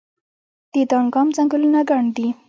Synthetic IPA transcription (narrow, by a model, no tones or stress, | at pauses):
d̪̥ed̪ɑŋɡɑmzaŋɡʊlunaɡaɳd̪i